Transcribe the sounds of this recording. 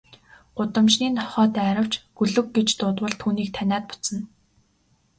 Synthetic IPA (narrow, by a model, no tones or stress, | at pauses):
ɢ̥ʊt̪ə̆mt͡ɕniːnt̪ʰɔ̥χɔːt̪æːɾə̆w̥t͡ɕɡ̥ɵɮɵ̆kɡet͡ɕt̪ʊːt̪wə̆ɮt̪ʰuːniːk̚t̪ʰænʲaːt̪̚pʊ̥t͡sə̆n